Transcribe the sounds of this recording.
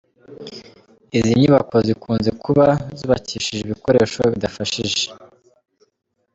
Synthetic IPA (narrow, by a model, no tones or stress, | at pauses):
iziɲuβako̞zikuːnzekuβazuːβaciːʃiʒeβiko̞ɾeːʃoβidafaʃiʒe